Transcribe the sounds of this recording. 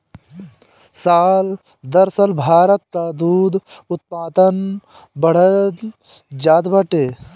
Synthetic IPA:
saːl | d̪ɐɾsəlbʱaːɾət̪ːad̪uːd̪ʊt̪̚paːd̪ən | bɐɽ̤ə | d͡ʒaːd̪bəʈeː

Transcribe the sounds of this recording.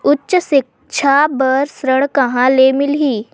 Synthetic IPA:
ʊtːʃsɪk̚ | t͡ʃʰabəɾsɾəɽ̃kəɦãleːmɪlɦiː

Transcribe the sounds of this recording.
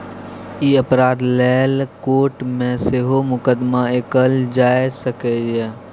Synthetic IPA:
iːəpɾaːd̪lɛːlkoːʈmẽseɦomʊkəd̪maekəld͡ʒaːesəkejɛ

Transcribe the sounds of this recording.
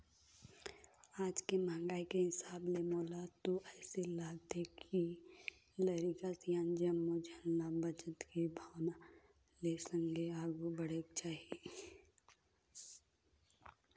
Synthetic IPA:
aːd͡ʒkemãːŋɡaːikeɦɪsaːblemoːlat̪oʔɛːselaːɡt̪ʰekʰi | ləɾikasjãːnd͡ʒəmːod͡ʒʱənːabəd͡ʒət̪kebʱaːʋna | lesə̃ŋɡeaːɡubəɽeːɡt͡ʃaːɦie

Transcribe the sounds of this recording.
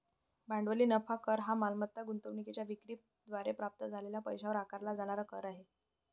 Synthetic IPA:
baɳɖʋəliːnəfakəɾɦamalmət̪ːaɡunt̪əʋɳiket͡ɕjaʋikɾiːp̚ | d̪ʋaɾepɾap̚t̪əd͡zʱalelapəjɕaʋɾakaɾlad͡zaɽ̃aɾakəɾaɦe

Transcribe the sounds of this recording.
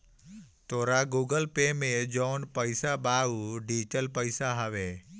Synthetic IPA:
t̪oːɾaɡuɡəlpemẽd͡ʒoːnpəɪsabauɖiʈəlpəɪsaɦaʋe

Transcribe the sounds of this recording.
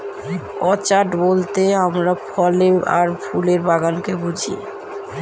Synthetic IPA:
ɔt͡ɕaʈbolt̪eamɾapʰɔlea̰ɾpʰuleɾbaɡankebud͡ʑʱḭ

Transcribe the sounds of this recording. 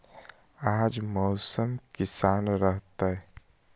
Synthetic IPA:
aːd͡ʒmɔʊsəmkɪsaːnɾəɦt̪ae

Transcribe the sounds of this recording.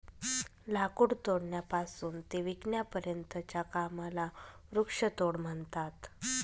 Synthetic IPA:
lakuɽt̪oɽɳjapasuːnt̪eʋiɡnjapəɾjənt̪ət͡ɕjakamalaɾukʂət̪oɽm̤əɳt̪at̪

